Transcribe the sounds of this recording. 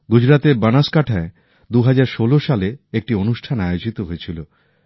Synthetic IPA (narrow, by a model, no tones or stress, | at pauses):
ɡud͡ʑɾat̪eɾbanaʃkaʈʰae | d̪uɦad͡ʑaɾʃoloʃaleek̚ʈionuʃʈʰanajod͡ʑit̪oɦojet͡ɕʰilo